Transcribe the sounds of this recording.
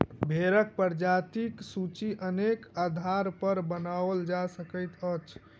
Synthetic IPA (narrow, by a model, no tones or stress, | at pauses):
bʱeɾək̚pəɾd͡ʒat̪iksut͡ʃiʔənekad̪ʱaɾpəɾbənaʋəld͡ʒasəkəɪt̪ət͡ʃʰ